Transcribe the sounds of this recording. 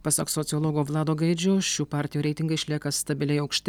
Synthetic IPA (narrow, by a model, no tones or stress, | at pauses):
pɐsɐksɔt̪sʲɪɔlˠoːɡoːʋlˠɑːd̪oːɡɐɪd͡ʒʲoːʃʲuːpɑːɾʲt̪ʲɪjuːɾʲɛɪt̪ʲɪŋɡɐɪɪʃʲlʲiɛkɐst̪ɐbʲɪlʲɛɪɐʊkʃʲt̪ʲ